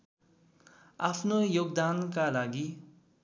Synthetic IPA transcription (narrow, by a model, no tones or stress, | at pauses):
apʰnojoɡ̚d̪ankalaɡi